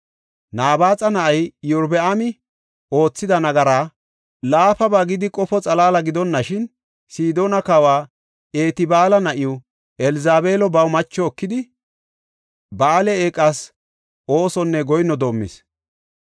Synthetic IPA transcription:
naːbaːt͡sʼɐnɐʔɐjjʊɾbɛamɪ | o̞ːt͡sːɪd̪ɐnɐɡɐɾaː | laːfɐbaːɡɪd̪ɪkʼɔfɔt͡sʼɐlaːlɐɡɪd̪ɔnːɐʃɪn | siːd̪o̞ːnɐkɐwaː | e̞ːt̪ɪbaːlɐnɐʔɪjʊ | ʔɛlɪzaːbe̞ːlɔbɐwmɐt͡ʃːɔːkːɪd̪ɪ | baːlɛeːkʼːaːs | ʔo̞ːsɔnːɛɡɔjnɔd̪oːmːḭs

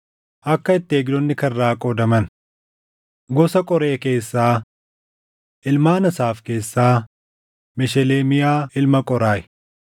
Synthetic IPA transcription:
ʔɐkːɐɪt̪ːɪeːɡd̪ɔnːɪkɐrːaːkʼɔd̪ɐmɐn | ɡɔsɐkʼɔɾe̞ːke̞ːsːaː | ʔɪlmaːnɐsaːfke̞ːsːaː | mɛʃɛleːmɪjaːɪlmɐkʼɔɾaːʔɪ̥

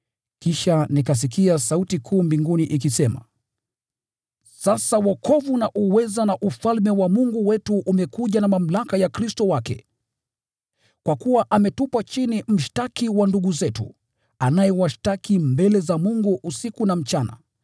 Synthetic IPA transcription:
kiʃanikas̬ik̬iasautikʰuːmbiŋɡuniʔikisɛma̰ | sasawɔkʰɔvunaʔuwɛzanaʔufalmɛwamuŋɡuwɛtuʔːmɛkuʄanamam̩lakajakɾistɔwakɛ̰ | kwakuwaʔamɛtupat͡ʃinim̩ʃtakiwanduɠuzɛtṵ | anajɛwaʃtakimbɛlɛzamuŋɡuʔusikunam̩t͡ʃana̰

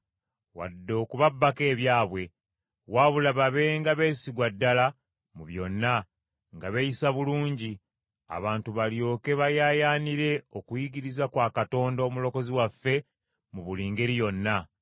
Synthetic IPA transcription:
wa̰dːo̞ːkuβabːake̞ːβjaːβwe̞ | waːβulaβaβe̞ːŋɡaβe̞ːsiɡwadːala | muβjo̞nːa | ŋɡaβejisaβuluːɲɟi | a̰βaːntuβaljo̞ːke̞βajajaːniɾe̞okujiɡiɾizakwaːkato̞ːndomulo̞ko̞ziwafːe̞ | muβuliːŋɡeɾijo̞nːa

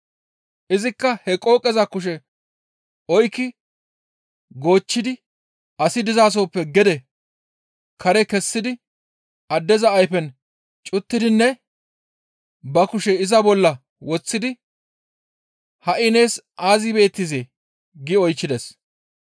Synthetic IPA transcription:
ʔɪzɪkːɐhɛkʼo̞ːkʼːɛzɐkʊʃ̬ɛ | ɔjkːɪ | ɡo̞ːt͡ʃːɪd̪ɪ | ɐsɪd̪ɪzaːs̬oːpːɛɡɛd̪ɛ | kʰɐɾɛkɛsːɪd̪ɪ | ɐd̪ːɛzɐːjfɛn | t͡ʃʼʊt̪ːɪd̪ɪnːɛ | bɐkʊʃɛɪzɐbɔlːɐ | wɔt͡sːɪd̪ɪ | hɐʔɪne̞ːs | aːzɪbe̞ːt̪ːɪzeː | ɡɪɔjt͡ʃːɪd̪ɛs

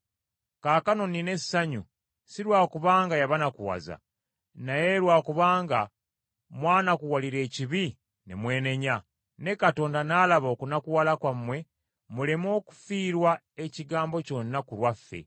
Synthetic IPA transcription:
kaːkano̞nine̞saɲu | siɾwaːkuβaːŋɡajaβanakuwa̰za̰ | naje̞ɾwaːkuβaːŋɡa | mwaːnakuwaliɾe̞ːciβi | nḛmwe̞ːne̞ɲa | ne̞kato̞ːndanaːlaβo̞kunakuwalakwamwe̞ | mule̞mo̞ːku̥fiːɾwa | e̞ciɡaːmbo̞co̞nːakulwafːe̞̰

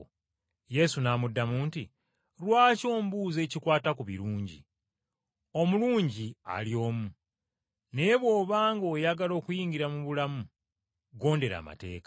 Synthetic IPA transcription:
je̞sunaːmudːamuːnti | ɾwaːco̞ːmbuːze̞ːcikwaːtakuβḭɾuːɲɟḭ | o̞muluːɲɟia̰ljo̞ːmu | ne̞βwo̞ːβaːŋɡoːjaɡalo̞ːkujiːŋɡiɾamuβulamu | ɡo̞ːnde̞ɾa̰ːma̰te̞̰ːkḁ

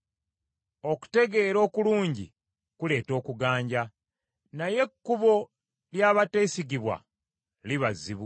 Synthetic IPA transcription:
o̞ku̥te̞ɡe̞ːɾo̞ːkuluːɲɟḭ | kule̞ːto̞ːkuɡaːɲɟa | naje̞kːuβo̞ | ljaːβate̞ːsiɡiβwa̰ | liβazːiβu

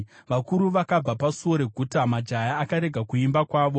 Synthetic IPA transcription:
ʋakuɾuʋakab͡vapasuoɾe̞ɡʱutamad͡ʒajaːkaɾe̞ɡʱakuimbakwaːʋo̞

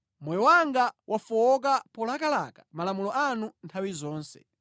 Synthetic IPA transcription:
mɔjɔwaŋɡawʔafɔɔk̬apɔlakalakḁmalamulɔʔanuntʰawizɔːnsɛ̰

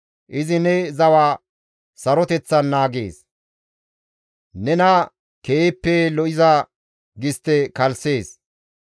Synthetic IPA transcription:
ʔɪzɪnɛzɐwaː | sɐɾɔt̪ɛt͡sːɐnːaːɡḛːs | nɛnɐ | keːpːɛlɔʔɪzɐ | ɡɪst̪ːɛkɐlse̞ːs

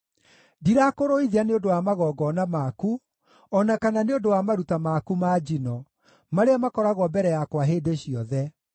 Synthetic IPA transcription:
diɾakoɾoiðianeodowamaɣɔːɡɔnamaku | ɔnakananeodowamaɾutamakumad͡ʑinɔ | maɾeamakɔɾaɣwɔbɛɾɛjakwaɦeːdeɕiɔðɛ

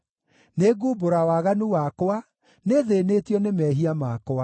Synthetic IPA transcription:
neɡuːboɾawaɣanuwakoa | neðenetjɔnemɛɦiamakoa

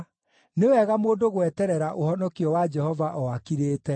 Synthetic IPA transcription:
newɛɣamoːdoɣwɛtɛɾɛɾaʔohɔnɔkiɔwad͡ʒɛhɔvaʔɔakiɾeːtɛ

